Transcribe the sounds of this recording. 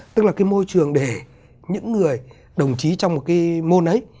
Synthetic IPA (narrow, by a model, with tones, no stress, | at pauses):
t̪ɨ˦˥k̚laː˨˩kaː˨˦jmo˧jt͡ɕɨ˨˩əŋɗe˧˩ | ɲɨ̰˧˥ŋːɨ˨˩əj | ɗə˨˩wŋ͡mt͡ɕi˨˦t͡ɕɔ˧wŋ͡mmo˨˩t̚kaː˨˦jmo˧nʔə˨˦j